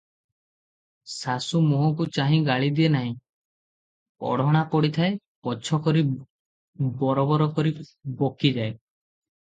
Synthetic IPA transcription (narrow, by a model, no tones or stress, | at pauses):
sasumoɦɔ̃k̬ut͡ʃaɦĩɡaɭid̪ienaɦĩ | pɔ̰ɽ̤ɔɽ̃apɔɽit̪ʰae | pɔt͡ʃʰɔkɔɾi | bɔɾɔbɔɾɔkɔɾi | bokid͡ʒae